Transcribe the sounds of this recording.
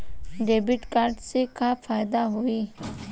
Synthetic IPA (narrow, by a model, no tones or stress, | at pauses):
ɖeːbiʈkaɾɖsekʰafaːjd̪aɦui